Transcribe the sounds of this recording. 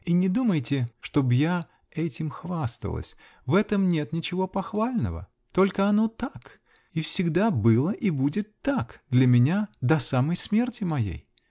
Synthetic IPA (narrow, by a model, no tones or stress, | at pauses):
inʲɪd̪uməjtʲɪʂt̪o̞bja | ɛtʲɪmxvast̪ə̰lˠə̰sʲ | vɛt̪əmnʲe̞t̪nʲɪt͡ɕɪvo̞pɐxvalʲnə̰və̰ | t̪o̞lʲkəɐno̞t̪ak | ifsʲɪɡd̪abɨlˠəʔibudʲɪt̪ːakd̪lʲɐmʲɪnʲad̪ɐsaməjsmʲe̞rtʲɪmɐjḛj